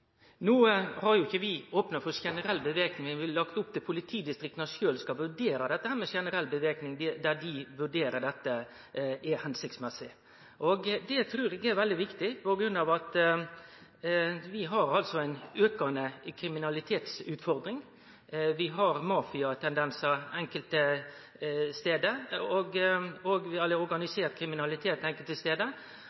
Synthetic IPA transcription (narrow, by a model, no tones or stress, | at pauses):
nuːəhɑɾjʊɪçːəʋɪoːpnɑfɔɾʃɛnəɾɛlːbəʋeːknɪŋəʋɪllɑkt̪ʊp̚t̪ɪpʰʊlɪt̪ʰiːd̪ɪst̪ɾɪk̚t̪nɑʂøːlskɑʋʉɾɖeːɾɑd̪ɛt̪ːəhæːɾmɛʃɛnəɾɛlbəʋeːknɪŋd̪ɪd̪æd̪ɪʋʉɖeːɾəɖɛt̪ːə | ʔɛhɛnsɪk̚t̪smɛsːɪ | ʔɔɡd̪ɛt̪ʰɾʉːɾɛɡɛɾʋɛld̪ɪʋɪkt̪ɪpɔɡɾʉnːɑʋɑt̪ | ʋɪɦɑɾɑlsɔæɪnøːkɑnəkʰɾɪmɪnɑlɪt̪ʰeːt̪sʉːt̪fɔɾd̪ɾɪŋ | ʋɪɦɑɾmɑːfɪɑt̪ʰɛnd̪ɛnsɑɛŋkəlt̪ə | st̪eːd̪əɔɡɔɡʋɪɛlːəɔɾɡɑnɪseːɾt̪̚kʰɾɪmɪnɑlɪt̪ʰeːt̪ɛŋkəlt̪əst̪eːd̪ə